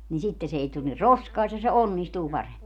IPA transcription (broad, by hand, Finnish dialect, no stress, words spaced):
nin sitːe se ei tul ni roskɑistɑ se onːistuː pɑremːi